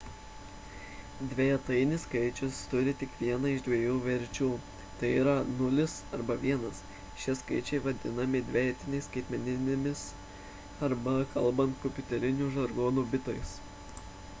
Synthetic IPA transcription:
d̪ʲʋʲɛjɛt̪ɐɪnʲɪskɐɪt͡ʃʲʊst̪ʊɾʲɪt̪ʲɪkʋʲiɛnɐɪʒd̪ʲʋʲiɛjuːʋʲɛɾʲt͡ʃʲuː | t̪ɐɪiːɾɐnʊlʲɪsɐɾbɐʋʲiɛnɐs | ʃʲiɛskɐɪt͡ʃʲɛɪʋɐd̪ʲɪnɐmʲɪd̪ʲʋʲejɛt̪ʲɪnʲɛɪskɐɪt̪ʲmʲɛnʲɪnʲɪmʲɪs | ɐɾbɐkʰɐlˠbɐnt̪̚kɔpʲʊt̪ʲɛɾʲɪnʲuːʒɐɾɡoːnuːbʲɪt̪oːjs

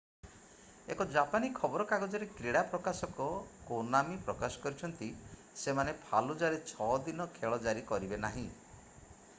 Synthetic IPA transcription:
ḛkɔd͡ʒapanikʰɔbɔɾɔkaɡɔd͡ʒɔɾekɾiɽapɾɔkasɔkɔkonamipɾɔkasɔ̥kɔɾit͡ʃʰɔnt̪i | semanepʰalud͡ʒaɾet͡ʃʰɔd̪inɔkʰeɭɔd͡ʒaɾikɔɾibenaɦĩ

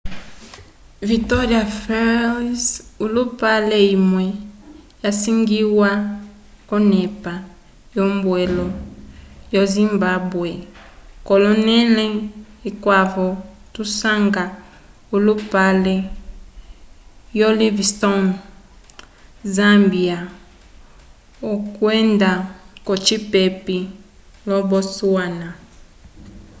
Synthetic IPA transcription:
vitɔɾiafɛsulupalɛimwɛjasiŋɡiwa | kɔnɛpa | jɔmbwɛlɔ | jɔzimbabwekɔlɔnɛlɛikwavɔtusaŋɡa | olupalɛ | jolivstɔn | zambia | okwɛndakɔt͡ʃipepilɔbɔsuana

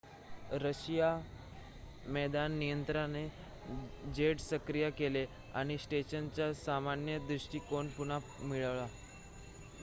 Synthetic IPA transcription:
ɾəɕija | mɛd̪anːijənt̪ɾane | d͡ʑeɽsəkɾijakele | a̰ɽ̃isʈeɕənt͡ɕjasamanjəd̪ɾuʂʈiːkoɳpunamiɭəʋɭa

